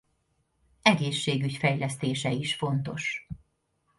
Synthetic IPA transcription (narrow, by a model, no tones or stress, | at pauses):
ɛɡeːʃːeːɡycfɛjlɛst̪eːʃɛiʃfo̞nt̪o̞̰ʃ